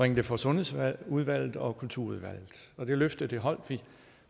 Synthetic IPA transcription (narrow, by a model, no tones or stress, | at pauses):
ʁeŋ̰d̥əfɒ̽sɔ̽nuð̞ˠʋæl̰ð̩ˠɒ̽kʰult͡sʰuɐuðˠʋæl̰ð̩ˠɒ̽d̥e̝løfd̥əðˠd̥eɦɒ̽l̰d̥ʋi